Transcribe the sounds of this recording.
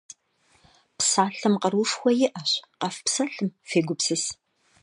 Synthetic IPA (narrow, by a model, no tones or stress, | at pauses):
psaːɬɐmqɐrwʊʂxʷɔjɪʔɐɕqɐfpsɐɬɨmfeːɡʷʊpsɨs